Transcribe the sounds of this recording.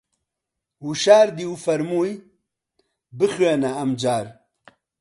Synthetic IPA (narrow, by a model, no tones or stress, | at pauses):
wuʃaːɾd̪iːufɐɾmuːj | bɨχɥeːnaɐmd͡ʒaːɾ